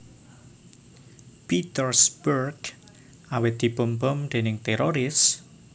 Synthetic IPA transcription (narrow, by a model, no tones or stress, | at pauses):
pit̪ərsbərɡ | awɪt̪̚d̪̥i̤pəmbɔmd̪̥enɪŋt̪eɾoɾɪs